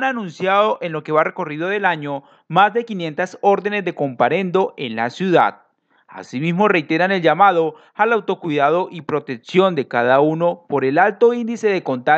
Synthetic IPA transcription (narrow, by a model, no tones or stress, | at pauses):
ananũnsjaðo̞ʔe̞nlo̞ke̞βare̞ko̞riðo̞ðe̞laɲo̞ | mazd̪e̞kinje̞nt̪aso̞ɾðe̞ne̞zd̪e̞ko̞mpaɾe̞nd̪o̞ʔe̞nlasjuða̰ð | a̰simizmo̞re̞jt̪e̞ɾane̞ld͡ʒamaðo̞ | alawt̪o̞kwiðaðo̞ʔipɾo̞t̪e̞ksjo̞nd̪e̞kaðauno̞po̞ɾe̞lalt̪o̞ind̪ise̞ðe̞ko̞nt̪a